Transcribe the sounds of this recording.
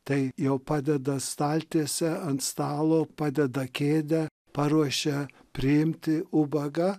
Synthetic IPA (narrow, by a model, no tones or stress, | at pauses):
t̪ɐɪjɛʊpɑːd̪ʲɛd̪ɐst̪ɑːlʲt̪ʲisʲɛɐnt̪st̪ɑːlˠoːpɑːd̪ʲɛd̪ɐkʲeːd̪ʲɛ | pɑːɾuɔʃʲɛ | pʲɾʲɪɪmʲt̪ʲɪʊbɐɡɐ